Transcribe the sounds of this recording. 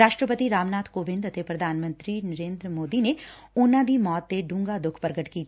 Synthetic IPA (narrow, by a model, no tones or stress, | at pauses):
aːʃʈɾəpət̪iɾaːmnaːt̪ʰkoːʋɪ̃nd̪ɐt̪epɾɐd̪ʱaːnmə̃nt̪ɾinɐɾeːnd̪ɾəmoːd̪ine | ʊnãd̪imɔːt̪ːeɖũːŋɡad̪ʊkʰpɐɾɡəʈkiːt̪